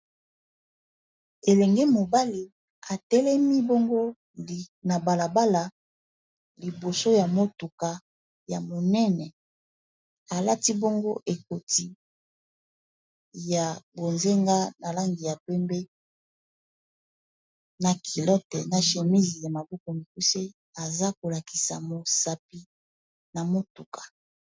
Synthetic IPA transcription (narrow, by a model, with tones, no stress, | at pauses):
e˨lɛ˨ŋɡɛ˦mo˨ba˦li˦ | a˨tɛ˦lɛ˦mi˦bo˦ŋɡo˦˨ | na˨ba˨la˨ba˦la˨ | li˨bo˨so˦ja˨mo˦tu˨ka˨ | ja˨mo˨nɛ˦nɛ˨ | a˨la˦ti˦bo˦ŋɡo˦ʔe˨ko˨ti˦ | ja˨bo˨nze˦ŋɡa˦na˨la˦ŋɡi˨ja˨pɛ˦mbe˦ | na˨kʰi˨lɔ˦tɛ˨na˨ʃe˨mi˦zi˨ja˨ma˨bɔ˦ko˨mi˨ku˦se˦ | a˨za˦ko˨la˨ki̥˨sa̰˨mo˨sa˨pi˦ | na˨mo˦tu˨kḁ˨